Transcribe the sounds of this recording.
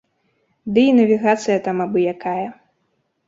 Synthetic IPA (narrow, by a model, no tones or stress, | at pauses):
d̪ɨinɐvʲiɣat̪sɨjɐt̪amabɨjakajɐ